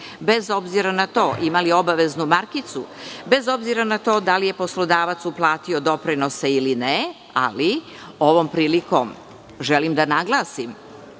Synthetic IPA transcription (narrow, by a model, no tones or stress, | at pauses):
bezo̞bziɾanat̪oːʔimalio̞baʋe̞znumaɾkit̪sube̞zo̞bziɾanat̪o̞ːd̪alije̞po̞slo̞d̪aːʋat̪suplˠaːt̪io̞d̪o̞pɾino̞seiline | a̰li | o̞ʋo̞mpɾiːliko̞m | ʒelimd̪anaɡlˠaːsim